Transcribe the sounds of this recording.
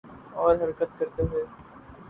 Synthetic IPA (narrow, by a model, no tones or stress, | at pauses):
ɔːɾɦɐɾkət̪̚kɐɾt̪eɦeː